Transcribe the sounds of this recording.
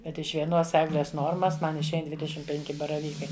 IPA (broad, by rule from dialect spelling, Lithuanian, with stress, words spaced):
ˈkɐt ɪʃ ʋʲiɛˈnoːs ˈæːɡlʲɛs ˈnoːrmɐs ˈmɐn ɪʃʲˈɛɪn dʲʋʲɪdʲɛˈʃʲɪm pʲɛŋʲˈkʲɪ bɐrɐˈʋʲiːkɐɪ